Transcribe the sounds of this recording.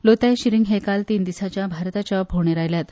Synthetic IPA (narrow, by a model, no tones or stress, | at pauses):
lot̪ajɕiɾiŋɡɦekalt̪iːnd̪isat͡ɕjabʱaɾt̪at͡ɕabʱoɳeɾajljat̪